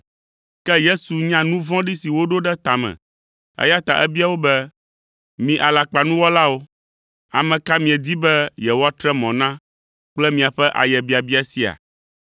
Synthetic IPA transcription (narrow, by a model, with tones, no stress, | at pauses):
kɛ˦je˦su˨ɲã˦nũ˦vɔ̃˦ɖi˦si˨wo˦ɖo˦ɖɛ˦t̪a˨mɛ̰̃˨ | ɛ̰˦ja˦t̪a˨ʔɛ˦bi˦a˨wo˦bɛ˦ | mĩ˨ʔa˨la˨k͡pa˨nũ˦wɔ˦la˦wo˦ | a˨mɛ̃˨ka˦mĩ˨ɛ˨d̪i˦bɛ˦jɛ˨wɔ˦a˦t̪ɾɛ˦mɔ̃˨nã˦ | k͡plɛ˦mĩ˨a˨ɸɛ˦ʔa̰˨jɛ˨bi˦a˨bi˦a˨si˦a̰˨